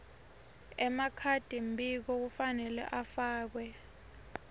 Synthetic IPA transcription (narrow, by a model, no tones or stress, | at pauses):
ɛmakʰad̥ʱimbʱik̬ɔk̬ufanɛlɛ̰ʔafaːk̬wɛ